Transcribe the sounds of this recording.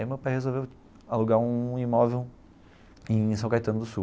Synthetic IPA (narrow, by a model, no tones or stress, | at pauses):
imewpajhezowvew | aluɡaɾũimɔvew | ẽj̃sɐ̃w̃kajt̪ɐ̃nʊd̪ʊsu